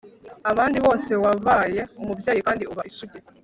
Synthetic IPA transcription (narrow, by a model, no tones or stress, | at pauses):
aβaːndiβo̞ːse̞waβaːje̞omubjaːjikaːndiuβaʔisuɟe